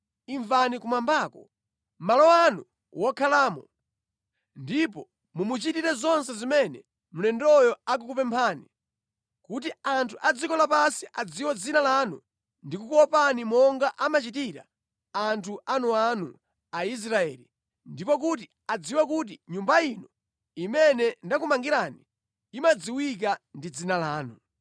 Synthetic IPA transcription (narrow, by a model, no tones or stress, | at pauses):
iɱvanikumambaːkɔ | malɔwanṵ | wʔɔkʰalaːmɔ | ndipɔ | mumut͡ʃitiɾɛzɔns̬ɛzimɛnɛ | mulɛndɔjɔak̬uk̬upɛmpʰaːni | kutiantʰuʔad͡zikɔlapasiʔad͡ziwɔd͡zinalanṵ | ndikukuwɔpanimɔŋɡaʔamat͡ʃitiɾa̰ | antʰuʔanuanu | ais̬ɾaɛ̰ːli | ndipɔk̬ut̬i | ad͡ziwak̬ut̬iɲumbainɔ | imɛnɛndakumaŋɡiɾaniː | mad͡ziwik̬andid͡zinalaːnu